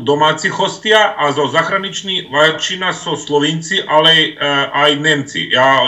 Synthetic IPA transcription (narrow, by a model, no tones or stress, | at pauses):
d̪omaːt̪sixost̪iaʔazozaxɾanit͡ʃniʋat͡ʃinasoslˠoʋint̪siʔaleajnemt̪sḭjaː